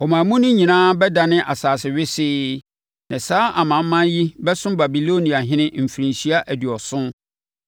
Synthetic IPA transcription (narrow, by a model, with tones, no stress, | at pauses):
ɔ˨mã˨mũ˦nʊ̃˦ɲĩ˨nãː˦bɛ˦da˨nɪ̃˦ʔa˨saː˨sɪ˨ɥɪ˦sɪː˦ | nɪ̃˨saː˦ʔa˨mã˨m̩˦mã˦nji˦bɛ˦sʊ̃˦mba˨bi˨lo˦nĩ˨a˨ɦɪ̃˦nɪ̃˦m̩˨fi˨ɾĩ˨nsi˦a˦ʔæ˨dɥɔ˨sʊ̃˦n